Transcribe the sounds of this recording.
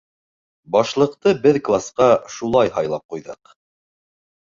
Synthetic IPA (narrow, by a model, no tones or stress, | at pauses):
bɑʃlˠɤ̆qt̪ɤbɘðklˠasqɑʃulˠɑjɦɑjlˠɑp̚qujðɤq